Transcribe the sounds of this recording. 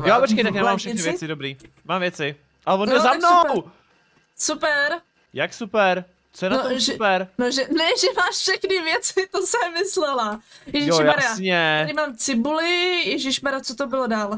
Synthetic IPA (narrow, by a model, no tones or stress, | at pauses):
jopot͡ʃkejt̪akjamaːmfʃɛxnɪvjɛt͡sɪdobɾiː | maːmvjɛt͡sɪ | ʔalɛvond̪lzamnow | supɛɾ | jaksupɛɾ | t͡sojɛnaoʒɛpɛɾnoʒɛnɛʒɛmaːʃfʃɛxnɪvjɛt͡sɪt̪osɛmɪslɛlajɛʒɪjʃaɾaɲɛaɾɪmaːmt͡sɪbulɪjɛʒɪʃmaɾat͡sot̪obɪlodaːl